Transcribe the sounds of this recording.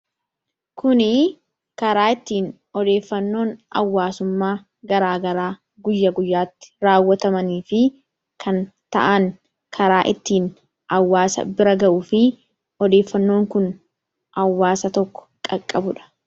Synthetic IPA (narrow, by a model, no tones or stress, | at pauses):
kʰʊnɪ | kɐɾaːɪt̪ːiːn | ɔd̪e̞ːfːɐnːo̞ːnɐ̰wːaːsʊmːaː | ɡɐɾaːɡɐɾaː | ɡʊjːɐɡʊjːaːt̪ːɪ̥ɾaːwːɐt̪ɐmɐniːfɪ | kʰɐn | t̪ɐ̰ʔɐŋ | kʰɐɾaːʔɪt̪ːiːn | ɐwːaːsɐ̰bɪɾɐɡɐʔʊːfɪ | ɔd̪e̞ːfːɐnːo̞ːŋkʊn | ɐwːaːsɐt̪ɔkːɔ̥kʼɐkʼːɐbʊᶑɐ̥